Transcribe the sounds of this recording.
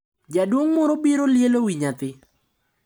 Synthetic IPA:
d͡ʒadwoŋmɔɾobiɾoljelowiɲat̪ɪ

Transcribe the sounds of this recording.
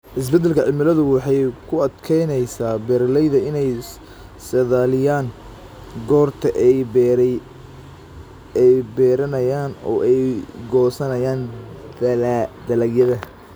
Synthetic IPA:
ʔɪs̬bɛd̪ːɛlkʰɐʕɪmɪlɐðʊwɑħɑjkʰʊɐd̪kʰɛjnɛjsaːbɛːrlɛjðɐɪnɛj | sɛðaːlɪjaːŋ | ɡɔːrt̪ʰɐʔɛj | ɛjbɛːɾɐnɐjaːnɔ̰ːʔɛjɡɔːsɐnɐjaːnd̪d̪ɐlɐɡjɐðɐ

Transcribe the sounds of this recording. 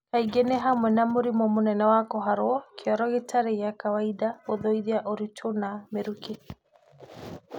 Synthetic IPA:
kaiɡeneɦamwɛnamoɾimɔmonɛnɛwakɔɦaɾoɔkeɔɾɔɣetʰaɾejakawaidaoðoiðiaʔoɾitʰonameɾuke

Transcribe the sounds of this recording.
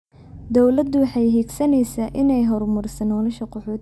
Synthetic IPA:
d̪ɔwlɐd̪ʊwɑħɑjɦiːɡsɐnɛjsaːʔɪnɛjɦɔrmʊrsɐnɔːlɐʃɐqɔħɔːt̪

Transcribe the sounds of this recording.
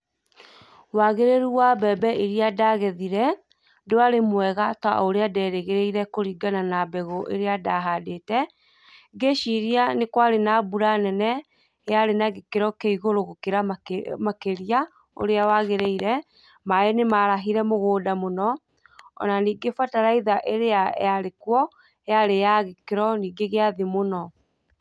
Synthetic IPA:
waɣeɾeɾuwabɛbɛeɾiadaɣɛðiɾɛ | doaɾemwɛɣata̰oɾeadɛːɾeɣeɾeiɾɛkoɾiːɡananabɛɣoʔḛɾeadaɦadetɛ | ɡeʃiɾianekwaɾenabuɾanɛnɛ | jaɾenaɣekeɾɔkeiɣoɾoɣokeɾammakeɾia | o̰ɾeawaɣeɾeiɾɛ | maenemaɾaɦiɾɛmoɣoːdamonɔ | ɔ̰naniːɡefataɾaiðaʔeɾea̰jaɾekwɔ | ejaɾejaɣekeɾɔniːɡeɣeaðemonɔ

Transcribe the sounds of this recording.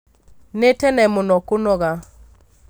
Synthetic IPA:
netɛnɛmʊnɔkʊnɔɣa

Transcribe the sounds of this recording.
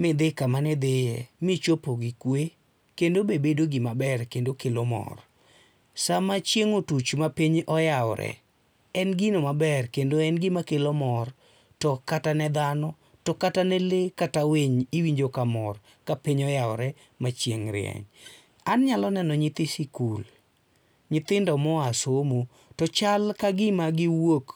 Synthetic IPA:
mɪd̪ekamanɛd̪ejɛ̰mɪt͡ʃopoɡɪkwe | kendobebedoɡɪmabɛrkendokelomɔ̰r | samat͡ʃjeŋotut͡ʃmapiɲʔɔjawɔɾɛ̰ | ɛnɡinomabɛrkendoɛnɡɪmakelomɔr | tɔkatanɛd̪anɔ | tɔkatanɛlekataweɲiwiɲd͡ʒokamɔr | kapiɲɔjawɔɾɛ | mat͡ʃjeŋɾɪ̰ɛ̰ɲ | anɲalɔnɛnɔɲɪt̪ɪsikul | ɲɪt̪ɪndɔmɔasomo | tɔt͡ʃalkaɡɪmaɡɪwok

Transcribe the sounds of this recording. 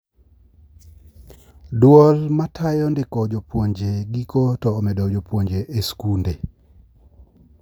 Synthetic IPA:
dwɔlmatʰajɔndɪkɔd͡ʒopwoɲd͡ʒeɡikotɔːmɛdod͡ʒopwoɲd͡ʒeʔeskunde

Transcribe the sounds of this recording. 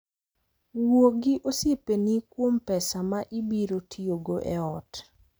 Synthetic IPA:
woɡɪʔosjepenikwompɛsamaʔibiɾotʰioɡoʔɛɔt

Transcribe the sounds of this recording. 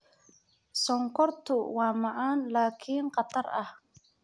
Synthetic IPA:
sɔŋkʰɔrt̪ʰʊwɑːmɑʕaːnlaːkʰiːnqɑt̪ʰɐrɐh

